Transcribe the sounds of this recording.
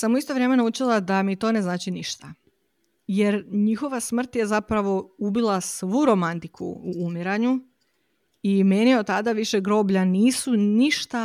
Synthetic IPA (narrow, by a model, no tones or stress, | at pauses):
samuist̪o̞ʋɾjeme̞naut͡ʃilˠad̪amit̪o̞ːne̞znaːt͡ʃiniʃt̪a | je̞ɾɲixo̞ʋasmr̩t̪je̞zapɾaʋo̞ubilˠasʋuɾo̞mant̪ikʰṵːmiɾaɲu | imenjieot̪t̪ːad̪aʋiʃeɡɾo̞ːbʎaniːsuniʃt̪a